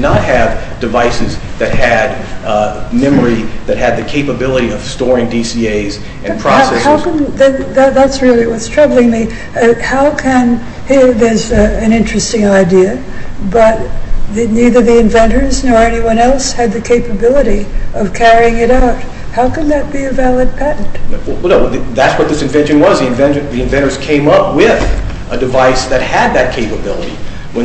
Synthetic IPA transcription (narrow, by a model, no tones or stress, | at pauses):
nət̚hɨv | d̥ɨvaɪsɨzðɨt̚hɨd̚ | mɛmə˞iðɨt̚hɨd̪̚ðɨkʰeɪpəbɪlˠəɾiʌv̥stɔɹɪ̃ŋdisieɪz | ɨ̃npʰɹ̥ɑhasɛhaʊkɨ̃nðɨðɨðætsɹɪlˠiwʌtstʰɹ̥ʌbl̩ˠɪ̃ŋmi | ʌhaʊkʰɨ̃n | hiɹðə˞zɨ̃nɪ̃nt͡ʃɹ̥ɨstɪ̃ŋaɪdiɨ | bʌt̚ðniðə˞ðiɨ̃ɱvɛ̃ntə˞znɔɹɛniwʌ̃nɛlˠshɨd̪̚ðɨkʰeɪpɨbɪlˠəɾiʔʌv̥kʰɛɹiɪ̃ŋɨɾaʊt̚ | haʊkɨ̃nðɨt̚b̥iɨvælˠɨd̚pʰæʔn̩t | ððætswʌt̪̚ðɪsɨ̃ɱvɛ̃nʃɨ̃nwʌzðiɨ̃nvɛ̃nt͡ʃɨ̃nðiɨ̃ɱvɛ̃ɾ̃ə˞z̥kʰẽɪ̃mʌp̚wɪðʔədɨvaɪsðɨt̚hɨd̪̚ðɨt̚kʰeɪpəbɪ̰lˠə̰ɾḭ | wɨ̃